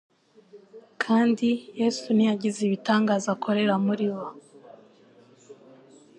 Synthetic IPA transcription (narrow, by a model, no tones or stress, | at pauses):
kʰaːndijeːsunijaɟiziβitaːŋɡaːzakʰo̞ɾe̞ɾamuɾiwa